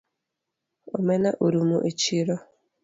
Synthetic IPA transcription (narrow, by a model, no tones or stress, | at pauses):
omɛnaʔuɾumuʔet͡ʃiɾɔ